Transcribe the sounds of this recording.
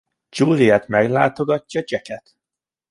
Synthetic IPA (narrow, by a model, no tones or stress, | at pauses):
d͡ʒuːlijɛt̪mɛɡlaːt̪o̞ɡɒcːɒt͡ʃɛkɛt̪